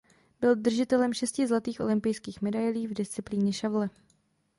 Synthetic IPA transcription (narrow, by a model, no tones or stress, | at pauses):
b̥ɪld̪r̩ʒɪt̪ɛlɛmʃɛscɪzlat̪iːxʔo̞̰lɪmpɪjskiːxmɛdajliːvdɪst͡sɪpliːɲɛʃavlɛ